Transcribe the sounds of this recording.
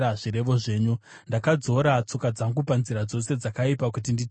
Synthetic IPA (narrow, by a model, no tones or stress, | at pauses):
aʐiɾe̞ʋo̞ʐe̞ːɲundakad͡zo̞ɾat͡so̞kad͡zaŋɡupanziɾad͡zo̞se̞d͡zakaipakut̬indi